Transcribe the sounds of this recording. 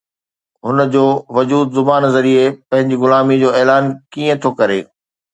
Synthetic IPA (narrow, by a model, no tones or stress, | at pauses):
ɦʊnəd͡ʑoːʋɐd͡ʑuːd̪zʊbaːnzɐɾiepɐ̃ɦɪ̃ɲd͡ʑiɣʊlaːmid͡ʑoːɛːlaːnkiːə̃t̪ʰokɐɾḛː